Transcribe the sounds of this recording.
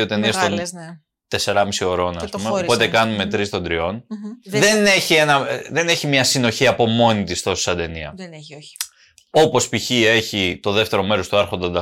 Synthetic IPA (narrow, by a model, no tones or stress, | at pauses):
ot̪e̞niɐst̪on | t̪e̞se̞ɾɐmisio̞ɾo̞nɐspumeopot̪ekɐnume̞t̪ɾist̪o̞nd̪ɾio̞nðe̞ne̞çie̞nɐðe̞ne̞çimɲɐsino̞çiɐpo̞mo̞nit̪ist̪o̞so̥sɐd̪e̞niɐ̰ | o̞po̞spiçie̞çit̪o̞ðe̞ft̪e̞ɾo̞me̞ɾo̞st̪oɐɾxond̪ond̪ɐ